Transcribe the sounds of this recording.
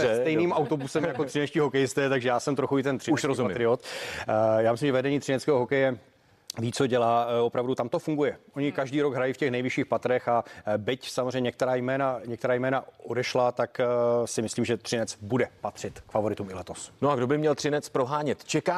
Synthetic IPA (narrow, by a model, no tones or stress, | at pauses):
ɛsst̪ɛjniːmʔawt̪o̞busɛmjakot̪r̝̥ɪnɛʃciːɦokɛjɪst̪ɛːt̪aɡʒɛjaːsɛmt̪ɾoxuɪt̪ɛnt̪r̥ɪuʃɾozumit̪ɾɪot̪ | jaːmɪslimʒɛvɛdɛɲiːt̪r̥ɪnɛt͡skɛːɦoɦokɛjɛ | viːt͡soɟɛlaːo̞pɾavdut̪amt̪o̞fuŋɡujɛʔo̞ɲɪkaʒdiːɾo̞ɡɦɾajiːfcɛxnɛjvɪʃiːxpat̪ɾɛxabɪcsamozreɲɛɲɛkt̪ɛɾaːjmɛːnaɲɛkt̪ɛɾaːjmɛːnaodɛʃlat̪aksɪmɪsliːmʒɛt̪r̥ɪnɛt͡sbudɛpat̪r̝̥ɪt̪kfavo̞ɾɪt̪umɪlɛt̪o̞snoaɡdo̞bɪmɲɛlt̪r̥ɪnɛt͡spɾoɦaːɲɛt̪t͡ʃɛkaː